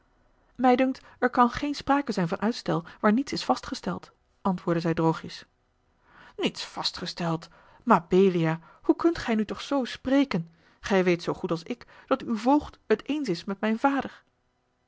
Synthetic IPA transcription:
mɛjdɵŋk̚t | ɛɹkɑnχejnspraːkəzɛjnvɑnʔœɥtstɛlˠʋaːɹnitsɪsfɑstχəstɛlˠt | ʔɑntʋʊːɹdəzɛjdrowχjəs | nitsfɑstχəstɛlˠt | maːbeːliaː | hukɵntχɛjnytɔχsowsprejkən | χɛjʋejtsowχutɑlˠsɪk | d̥ɑtywvɔlˠχthətejnsɪsmɛtmɛjnvaːdəɹ

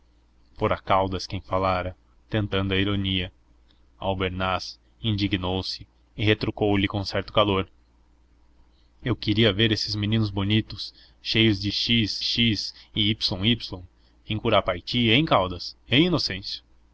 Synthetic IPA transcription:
poɾɐkawd̪ɐskẽj̃falaɾɐ | t̪ẽnt̪ɐ̃nd̪ʊɐiɾoniɐ | awbeɾnas | ĩnd͡ʒiɡinowsɪː | het̪ɾokowlɪkõw̃sɛɾt̪ʊ̥kaloɾ | ewkɪɾiɐveɾesɪzminĩnʊzbonit̪ʊs | ʃejʊzd͡ʒɪʃizʃizɪipsõw̃ipslõw̃ | ẽj̃kuɾapajt͡ʃiẽj̃kawd̪ɐsẽj̃inosẽsjɐ

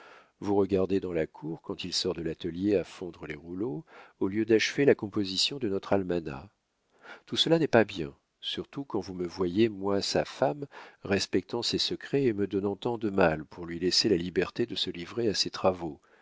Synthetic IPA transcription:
vuʁəɡaʁd̪ed̪ɑ̃lakʰuʁkɑ̃t̪ilsɔʁd̪əlat̪əljeafɔ̃d̪ʁəleʁulooljød̪aʃvelakɔ̃pozisjɔ̃d̪ənɔt̪χalmana̰ | t̪usəlanɛpabjɛ̃ | syʁt̪ukɑ̃vuməvwajemwasafamʁɛspɛk̚t̪ɑ̃sɛsəkχɛeməd̪ɔnɑ̃t̪ɑ̃d̪əmalpʰuʁlɥilɛselalibɛʁt̪ed̪əsəlivʁeasɛt̪χavo

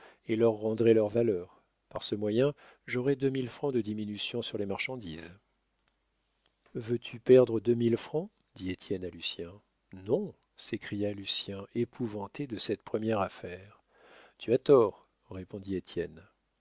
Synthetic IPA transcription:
elœʁːɑ̃d̪ʁɛlœʁvalœːʁ | paʁsəmwajɛ̃ | ʒɔʁɛd̪ømilfχɑ̃d̪əd̪iminysjɔ̃syʁlemaʁʃɑ̃d̪iz | vøt̪ʰypɛʁd̪ʁəd̪ømilfχɑ̃ | d̪iet̪ʰjɛnalysjɛ̃ | nɔ̃ | sekχijalysjɛ̃epʰuvɑ̃t̪ed̪əsɛt̪̚pχəmjɛʁafɛʁ | t̪yat̪ɔʁː | epɔ̃d̪iet̪jɛn

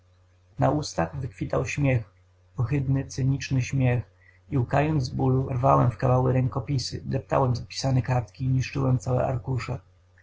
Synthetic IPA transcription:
naust̪aɣvɘkfʲit̪awɕmʲjɛx | pɔxɘd̪nɘt̪sɛɲit͡ʂnɘɕmʲjɛx | iukajɔnd̪buluɾvawɛmfkavawɘɾɛŋkɔpʲisɘ̰d̪ɛp̚t̪a̰wɛmzapʲi̥sanɛkaɾt̪kʲiːɲiʂt͡ʂɘwɛmt̪sawɛ̰ʔa̰ɾkuʂɛ

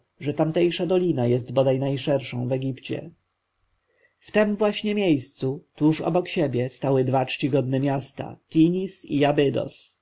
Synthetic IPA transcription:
ʐɛt̪amt̪ɛjʂad̪ɔlʲinajɛst̪bɔd̪ajnajʂɛɾʂɔ̃w̃vɛɡʲipt͡ɕɛ̰ | ft̪ɛmvwaɕɲɛmʲjejst̪sut̪uʂɔ̰bɔkɕebʲjɛst̪awɘd̪vat͡ʂt͡ɕiɡɔd̪nɛmʲjast̪a̰t̪ʲiɲisḭjabɘd̪ɔ̰s

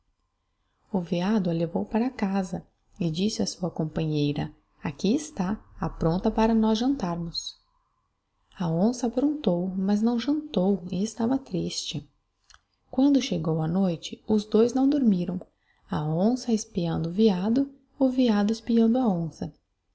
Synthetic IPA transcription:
ʊviad̪ʊɐlevowpaɾɐːkazɐ | ɪd͡ʒisɪɐsuɐkõmpɐ̃ɲejɾɐ | akiɪst̪aapɾõnt̪ɐpaɾɐnɔzʒɐ̃nt̪aɾmʊs | ɐõsɐpɾõnt̪owmɐznɐ̃w̃ʒɐ̃nt̪owɪɪst̪avɐt̪ɾist͡ʃɪ | kwɐ̃nd̪ʊʃeɡowɐnojt͡ʃɪʊzd̪ojznɐ̃w̃d̪oɾmiɾɐ̃w̃ | ɐõsɐɪspiɐ̃nd̪ʊʊviad̪ʊ | ʊviad̪ʊɪspiɐ̃nd̪ʊɐõsɐ

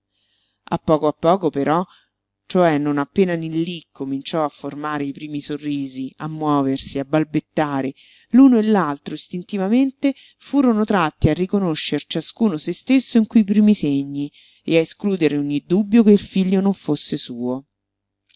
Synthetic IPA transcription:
a̰pːɔːkoapːɔːkopeɾɔ | t͡ʃoɛnːonapːeːnanilːikʰːomint͡ʃɔafːormaːɾeipɾiːmisorːiːziamːwɔːversiabːalbet̪ːaːɾe | luːnoelːalt̪ɾoist̪int̪ivament̪e | fuːɾonot̪ɾat̪ːiarːikonoʃːert͡ʃaskuːnosest̪esːoiŋkuip̬ɾiːmiseɲːi | eaeskluːd̪eɾeoɲːid̪ubːjokeilfiʎːonoɱfosːesuːo

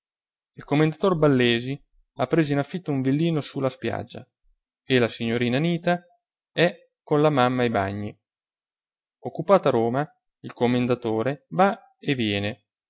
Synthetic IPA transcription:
ilkomːend̪at̪orbalːeːzi | apːɾeːzoinafːit̪ːouɱvilːiːnosulaspja̰d͡ʒːa̰ | elasiɲːoɾiːnaniːt̪a | ɛ | kːonlamamːaejba̰ɲːi | okːupaːt̪oaɾoːma | ilkomːend̪at̪oːɾeva | evjɛːne

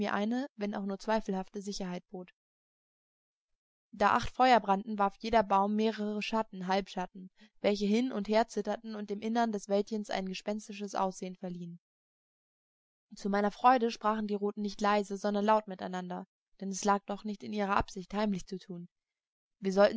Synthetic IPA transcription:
iːɐʔaɪnəvɛna̰ʊxnuːɐt͡sv̥aɪfl̩haftəzɪçɐɦaɪt̚b̥oːt | d̥aːʔaχtfɔʏɐbʁantn̩vaɐfjeːɾɐbaʊmːeːʁəʁʁəʃatn̩ɦalpʃatn̩vɛlçəɦɪnʔʊntheːɐt͡sɪtɐtn̩ʊnt̚d̥eːmʔɪnəndɛsv̥ɛltçənsʔa̰ɪnɡəʃpɛnstɪʃəsʔa̰ʊsz̥eːənfɛɐliːən | t͡sumaɪnɐfʁ̥ɔʏɾəʃpʁ̥aːχn̩diːʁoːtn̩nɪçtlaɪzəzɔndɐnlaʊtmɪta̰ɪnandɐ | d̥ɛnɛslaːk̚d̥ɔχnɪçtɪnʔiːʁ̞ɐʔa̰pz̥ɪçthaɪmlɪçt͡sutʰuːn | viːɐzɔltn̩

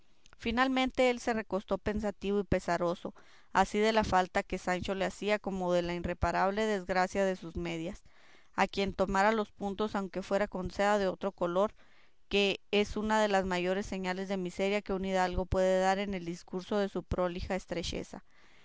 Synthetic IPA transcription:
finalmẽnt̪e̞e̞lse̞re̞ko̞st̪o̞pe̞nsat̪iβo̞ipe̞saɾo̞so̞ | asiðe̞lafalt̪ake̞sant͡ʃo̞leasiako̞mo̞ðe̞lainre̞paɾaβ̞le̞ðe̞zɣɾasjaðe̞suzme̞ðjas | akje̞nt̪o̞maɾalo̞spunt̪o̞sawŋke̞fwe̞ɾako̞nseðaðe̞o̞t̪ɾo̞ko̞lo̞ɾ | ke̞esunað̞e̞lazmaʝo̞ɾe̞sːe̞ɲale̞zðe̞mise̞ɾjake̞uniðalɣo̞pwe̞ðe̞ðaɾe̞ne̞ld̪iskuɾso̞ðe̞supɾo̞lixaest̪ɾe̞t͡ʃe̞̰sa̰

